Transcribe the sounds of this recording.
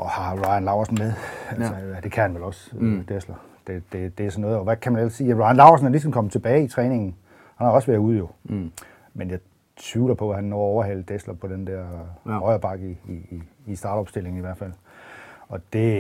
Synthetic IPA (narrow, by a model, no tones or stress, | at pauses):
ʔɒhɑ̈ʁɑ̈ɪænlɑ̈ʊɐsn̩meðˠælsəd̥e̝kʰæhænʋelɒ̽sd̥eslɐ | d̥e̝d̥e̝d̥e̝æsɒnːɔ̽ːð̩ˠɒʋækʰæmænel̰ssiːæʁɑ̈ɪænlɑ̈ʊɐsn̩hælis̬ɒm̩kɒ̽mət͡sʰe̝b̥ɛːɪit͡sʰʁɛːne̝ŋn̩ | hænhɑɒ̽sʋæɐuð̞̰ˠjo̝ | menjɑ̈ɪ | t͡sʰuːlɐpʰɒ̽æhænːɒɒʊɐɦæl̰d̥eslɐpʰɒ̽d̥end̥eɐʁɒɪɐb̥ɑ̈ɡ̥iːsd̥ɑ̈ːdɒ̽b̥sd̥e̝l̰e̝ŋ̩iʋæɐ̰dfæl̰ | ɒ̽d̥e̝